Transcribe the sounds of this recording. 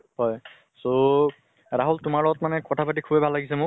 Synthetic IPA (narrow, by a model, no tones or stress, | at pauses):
hɔj | so | ɹaɦultʊmaɹlɔɡɔtmanɛkɔtʰapat̬ikʰubɛbʱalːaɡis̬ɛmʊ